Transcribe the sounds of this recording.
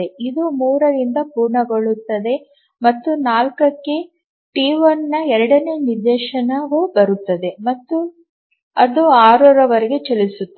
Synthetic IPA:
eid̪umuːɾɐɾind̪ɐpuːɾɳɐɡoɭut̪ːɐd̪e̞ | mɐt̪ːunaːlkɐkːe̞ | ʈiːʋɐnːɐɛɾɐɽɐne̞ːniɾd̪ɛːʃɐnɐʋubɐɾut̪ːɐd̪e̞mɐt̪ːu | ɐd̪uaːɾɔːɾɐʋɐɾeɡet͡ʃelisut̪ːɐ

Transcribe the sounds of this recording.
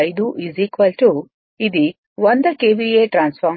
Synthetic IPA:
jd̪uʔiziːkʋɐlʈu | id̪i | ʋond̪ɐkeːbieːʈɾaːnsfaː

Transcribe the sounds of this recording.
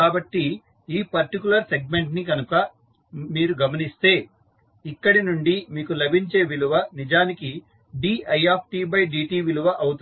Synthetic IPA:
kaːbɐʈːi | iːpɐɾʈikulɐɾseɡ̚me̞ɳʈnikɐnukɐ | miːɾuɡɐmɐnist̪e̞ː | ikːɐɽinuɳɖimiːkulɐbʱiɲt͡ʃe̞ːʋiluʋɐnid͡ʒaːniki | ɖiːɐjaːpʰʈiːbɐjɖiːʈiːʋiluʋɐʔɐwut̪

